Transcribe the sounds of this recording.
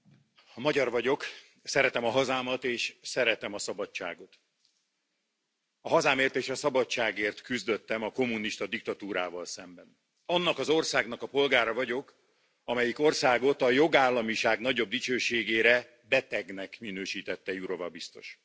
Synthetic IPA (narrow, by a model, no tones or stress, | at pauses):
mɒɟɒrvɒɟo̞k | sɛɾɛt̪ɛmɒɦɒzaːmɒt̪eːʃsɛɾɛt̪ɛmɒsɒbɒt͡ʃːa̰ːɡo̞t̪ | ɒɦɒzaːmeːrt̪eːʃɒsɒbɒt͡ʃːaːɡeːrt̪kyzd̪ø̞t̪ːɛmɒko̞mːuniʃt̪ɒd̪ikt̪ɒt̪uːɾa̰ːvɒlsɛmbɛn | ɒnːɒkɒzo̞rsaːɡnɒkɒpo̞lɡaːɾɒvɒɟo̞k | ɒmɛjiko̞rsaːɡo̞t̪ɒjo̞ɡaːlːɒmiʃaːɡnɒɟo̞b̚d̪it͡ʃøːʃeːɡeːɾɛ | bɛt̪ɛɡnɛkminøːʃiːt̪ɛt̪ːɛjuɾo̞vɒbist̪o̞̰ʃ